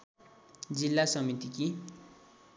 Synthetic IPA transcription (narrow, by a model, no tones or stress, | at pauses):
d͡zilːasʌmit̪iki